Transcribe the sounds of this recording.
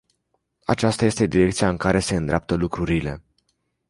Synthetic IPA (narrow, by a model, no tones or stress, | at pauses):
a̰t͡ʃast̪aje̞st̪e̞d̪iɾe̞k̚t̪sijaɨŋkaɾe̞se̞ɨnd̪ɾa̰p̚t̪əlukɾuɾile̞